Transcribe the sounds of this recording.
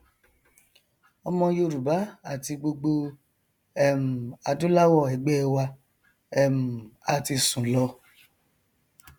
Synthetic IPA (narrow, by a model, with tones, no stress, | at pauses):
ɔ˧mɔ̃˧jo˧ɾu˨ba˨˦a˦˨ti˧ɡ͡bo˧ɡ͡bo˧ | ɛ˦˨m̩˨a˧dũ˦la˦wɔ˦˨ɛ˨ɡ͡bɛ˦˧wa˧ | ɛ˦˨m̩˨a˦˨ti˧sũ˨˦lɔ˧